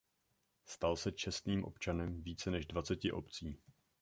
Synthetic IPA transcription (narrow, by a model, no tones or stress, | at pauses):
st̪alsɛt͡ʃɛst̪niːmʔo̞̰pt͡ʃanɛmviːt͡sɛnɛʒdvat͡sɛcɪʔo̞pt͡siː